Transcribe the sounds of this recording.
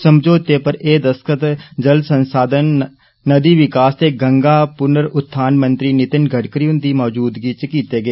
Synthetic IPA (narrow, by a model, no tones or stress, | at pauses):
səmd͡ʒoːt̪epəɾeːd̪əskət̪d͡ʒəlsə̃nsaːd̪ʱənː | əd̪iʋɪkaːst̪eɡə̃ŋɡaːpʊnəɾʊt̪̚ʰːaːnmə̃nt̪ɾinɪt̪ɪnɡʱəʈkɾiʊ̃nd̪imɔːd͡ʒuːd̪ɡit͡ʃkiːt̪eːɡəeː